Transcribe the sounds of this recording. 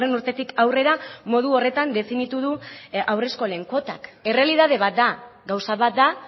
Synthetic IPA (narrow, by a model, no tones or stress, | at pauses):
renuɾt̪e̞t̪ikawre̞ɾamo̞ð̞uo̞re̞t̪and̪e̞finit̪uðuawre̞sko̞leŋko̞t̪a̰ke̞re̞alið̞að̞e̞β̞at̪̚d̪aɡawsaβat̪̚d̪a